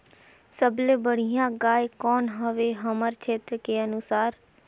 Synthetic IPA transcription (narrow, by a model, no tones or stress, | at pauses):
səblebəɽ̤ijãɡaːjkɔːnɦəʋeɦəməɾt͡ʃʰeːt̪ɾəkeənusaːɾ